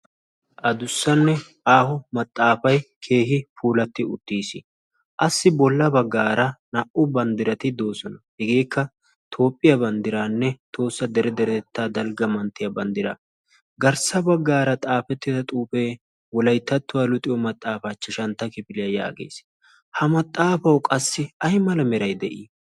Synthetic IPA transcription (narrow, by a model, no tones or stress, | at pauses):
ʔɐd̪ʊsːɐnːɛ | aːhɔmɐt̪ʼːaːfɐjkʰe̞ːhɪfuːlɐt̪ːɪʊ̰t̪ːiːsɪ | ʔɐsːɪbɔlːɐbɐɡːaːɾɐnɐʔʊbɐnd̪ɪɾɐt̪ɪd̪o̞ːsɔnɐhɛɡe̞ːkʰːɐ | t̪ʰo̞ːpʼːɪjɐbɐnd̪ɪɾaːnːɛt̪ʰo̞ːsːɐd̪ɛɾɛd̪ɛɾɛt̪ɛt̪ːaːd̪ɐlɡɐmɐnt̪ːɪjɐbɐnd̪ɪɾɐ̰ | ɡɐɾsɐbɐɡːaːɾɐt̪ʼaːfɛt̪ːɪd̪ɐt̪ʼuːpe̞ː | wɔlɐjt̪ːɐt̪ːʊwaːlʊt̪ʼɪjɔmɐt̪ʼːaːfat͡ʃːɪʃɐnt̪ːɐkɪpɪlɪjɐja̰ːɡḛːs | hɐmɐt̪ʼːaːfɐwkʼɐsːɪɐjmɐlɐmɛɾɐjd̪ɛʔiː